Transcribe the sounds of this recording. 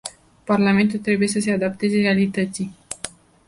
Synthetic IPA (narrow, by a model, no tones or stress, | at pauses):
parlame̞nt̪ult̪ɾe̞buje̞səse̞ad̪ap̚t̪e̞ze̞realit̪ət̪si